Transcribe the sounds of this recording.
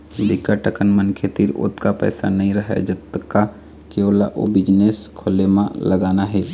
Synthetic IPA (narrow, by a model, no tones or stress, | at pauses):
bɪkaʈəkənmənkʰet̪iɾʊ̰t̪kapɛ̰ːsa̰nɐɦĩɾəɦḛd͡ʒɐt̪ːəkːa | keoːla̰ʔo̰bɪd͡ʒneːskʰolemãləɡaːnaɦɛː